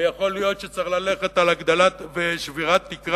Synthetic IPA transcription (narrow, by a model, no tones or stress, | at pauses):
jaχo̞ljo̞t̪ʃet͡saχlale̞χe̞t̪alaɡd̪alabeʃviʁat̪ːikʁ